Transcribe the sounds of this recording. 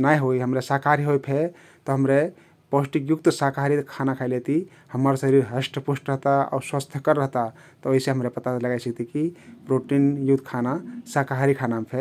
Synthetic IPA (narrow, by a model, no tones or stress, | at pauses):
najɦoiɦəmɾesakʰaɾiɦojpʰe | t̪ɔɦəmɾe | posʈikjukt̪sakaɾikʰanakʰaɪlet̪i | həməɾsəɾiɾɦəsʈəpusʈɾəɦt̪aa̰uswast̪ʰjəkəɾːəɦt̪a | t̪ɔoɦiseɦəmɾepət̪aləɡajsəkt̪ikipɾoʈinjut̪kʰanasakaɦaɾikʰanamepʰe